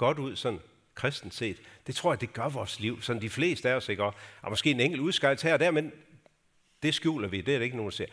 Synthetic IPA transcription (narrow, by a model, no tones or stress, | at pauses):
ɡ̥ɒ̽d̥uð̰ˠsɒ̽n̰ | kʰʁɛsd̥n̩se̝̰ːd̥d̥e̝t͡sʰʁo̝ɐ̰jæɐd̥e̝ɡ̥ɶɐʋɒːsliʊ̰sɒ̽nd̥ifle̝̰ːsd̥əæɐɒseɡ̥ɶɐɒmɒ̽sɡ̥e̝̰ːeneŋ̰ɡ̥l̩uðˠsɡ̥ɑ̈ɪlshæɐɒd̥æɐmeðˠ | d̥e̝sɡ̥jṵːlɐʋid̥eæɐɾ̥ee̝ɡ̥əno̝ːndse̝ɐ̰